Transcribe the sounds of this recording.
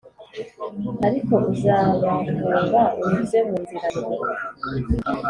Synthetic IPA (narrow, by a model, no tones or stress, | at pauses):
aɾiko̞ʔuzaːβauβaʔuuzemuːnziɾaɾi